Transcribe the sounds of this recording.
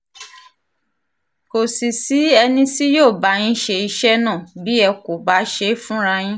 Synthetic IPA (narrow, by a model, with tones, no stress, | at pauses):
ko˨si˨si˨˦ɛ˧nĩ˧si˦joː˦˨ba˨˦ɲ̃ĩ˦ʃe˧i˧ʃɛ˦nãː˦˨bi˦ɛ˧ko˨ba˨˦ʃe˧˦fũ˦ɾa˧j̃ĩ˦